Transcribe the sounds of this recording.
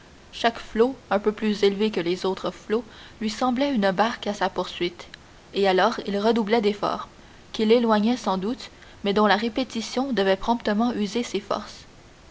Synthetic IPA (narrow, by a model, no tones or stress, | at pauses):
ʃakfloɛ̃pøplyzelvekəlezot̪χəflolɥisɑ̃blɛynəbaʁkasapuʁsɥit̪ | ealɔːʁilʁəd̪ublɛd̪efɔ̰ːʁ | kʲilelwaɲɛsɑ̃d̪ut̪ | mɛd̪ɔ̃laʁepet̪isjɔ̃d̪əvɛpχɔ̃pt̪əmɑ̃ʔyzesefɔ̰ʁs